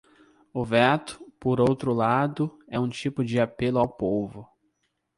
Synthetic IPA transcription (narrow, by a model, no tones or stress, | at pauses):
ʊvɛt̪ʊ̥poɾowt̪ɾʊlad̪ʊɛũt͡ʃipʊd͡ʒɪapelʊawpovʊ